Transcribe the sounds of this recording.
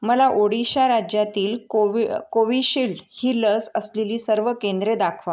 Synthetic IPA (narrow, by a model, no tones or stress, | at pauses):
məlaʔoɽiɕaɾad͡ʑjat̪iːl | koʋiɕilhiːləsəsleliːsəɾʋəkend̪ɾed̪akʰʋa